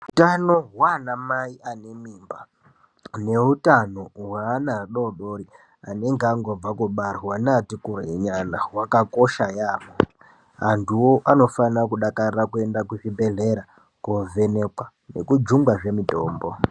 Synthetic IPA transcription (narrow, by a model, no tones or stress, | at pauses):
utano̞ɦwanamaiʔane̞miːmba | ne̞utano̞ɦwaːnaɗoɗoɾi | ane̞ŋɡaŋɡob͡vakoɓar̤wanatikurɲanawakako̞ʃajaːmo | antʰuwoʔano̞fanakuɗakarrakue̞ndakuʐibʱe̞ɮe̞ɾa | kove̞nekwa | ne̞kud͡ʒuŋɡwaʐe̞mito̞̰ːmbo